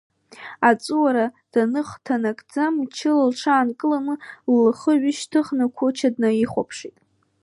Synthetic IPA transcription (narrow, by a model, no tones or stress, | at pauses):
at͡sʼuwaɾa | d̥anɨχtʰanakʼd͡zamt͡ʃʰɪlalʈ͡ʂʰaːnkʼɨlanɨlːχəɥɪʃtʰɨχnakʷʰot͡ʃʰadnaiχʷopʰʂitʼ